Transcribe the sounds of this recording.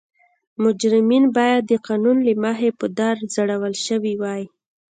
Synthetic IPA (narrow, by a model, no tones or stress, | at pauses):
mʊd͡ʒɾɪminbɑjad̪ːəqɑnunlimɑɦepəd̪aɾzəɽawəlʃəwiwɑj